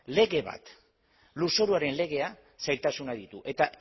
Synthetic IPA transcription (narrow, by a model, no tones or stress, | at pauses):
le̞ɣe̞βa̰t̪ | luso̞ɾuaɾe̞nle̞ɣ̞e̞a | sajɾt̪asunaðit̪uʔe̞t̪a